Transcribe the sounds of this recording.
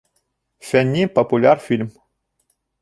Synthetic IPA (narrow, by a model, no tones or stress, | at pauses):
fenʲipopulʲjarfilʲm